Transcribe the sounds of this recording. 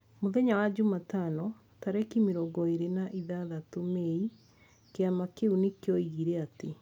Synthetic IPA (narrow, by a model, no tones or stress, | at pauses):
moðɛɲawad͡ʑumatanɔ | taɾɛkimeɾɔɡɔeɾenaʔiðaðatomei | keamakeunekeɔiɣiɾɛate